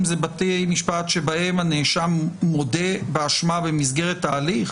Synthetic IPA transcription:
mzebatejmiʃpat̪ʃebahe̞maneʃamːo̞debeaʃmabemisɡe̞ʁet̪ːaːliχ

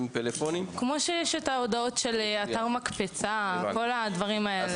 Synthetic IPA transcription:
mtelefonimkmo̞ʃejeʃetaodao̞tʃelataʁmakpet͡sako̞lad̪vɐʁimaele

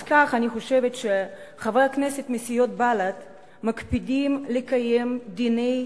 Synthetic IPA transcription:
kaχaniχoʃevetʃe | χavʁakneset̪mesijo̞t̪̚balat̪ | makpid̪imlekajemd̪inej

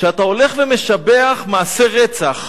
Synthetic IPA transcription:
ʃeatao̞le̞χveme̞ʃabe̞aχmaːse̞ʁet͡saχ

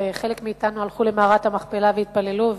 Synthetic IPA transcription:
eχe̞lekmiiːtanualχule̞maːʁat̪hamaχpelaveit̪̚pale̞luv

